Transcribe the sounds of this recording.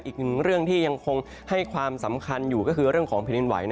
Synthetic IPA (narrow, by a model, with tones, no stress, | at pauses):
ʔiː˨˩k̚nɯ˨˩ŋɾɯ˥˩əŋt̪ʰiː˥˩ja˧ŋkʰo˧ŋ | ha˥˩jkʰwaː˧msa˩˦mkʰa˧njuː˨˩kɔː˥˩kʰɯː˧ɾɯ˥˩əŋkʰɔː˩˦ŋpʰːni˧nwa̰˩˦jna˧